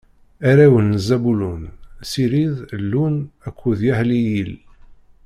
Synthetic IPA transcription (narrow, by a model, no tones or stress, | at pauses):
æɾæwənːzæbulunsiɾiðlːunækʷːuðjahlijil